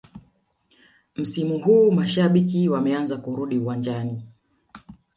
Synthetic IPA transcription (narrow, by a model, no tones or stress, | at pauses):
m̩simuhuːmaʃaɓikiwamɛanzakuɾuɗiuwand͡ʒani